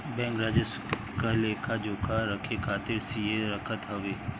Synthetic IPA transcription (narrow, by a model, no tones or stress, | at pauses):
bɛ̃ːŋkɾaːd͡ʒəs | kaleːkʰad͡ʒoːkʰaɾəkʰekʰaːt̪ɪɾsijeɾɐkʰət̪ɦɐʋeː